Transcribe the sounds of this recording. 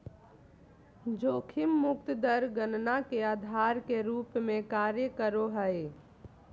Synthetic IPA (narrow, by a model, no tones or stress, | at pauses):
d͡ʒoːkʰimːʊkt̪d̪əɾɡənnakeaːd̪ʱaɾkeɾuːpmẽkaɾjəkəɾoɦəe